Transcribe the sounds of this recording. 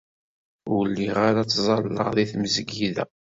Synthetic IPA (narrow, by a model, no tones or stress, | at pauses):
wlːiʁaɾat͡sːzˤɑlːə̰ʁðiθməzɡiðæ̰